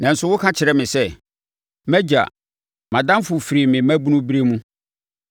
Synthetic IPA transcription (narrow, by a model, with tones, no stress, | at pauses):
nã˨n̩˨sʊ˦wʊ˦kʰã˦t͡ɕʰɪ˨ɾɛ˦mɪ̃˨sɛ˦˨ | mæ˦d͡ʑa̰˨ | mã˨dã˦m˦fʊ˨fi˨ɾi˨mɪ̃˨mæ̃˦bu˦nũ˦bi˦ɾe˦mũ˦